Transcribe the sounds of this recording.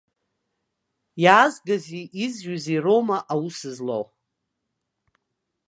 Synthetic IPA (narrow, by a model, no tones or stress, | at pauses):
jaːzɡaziʔizʒaziromaʔawusɨzlow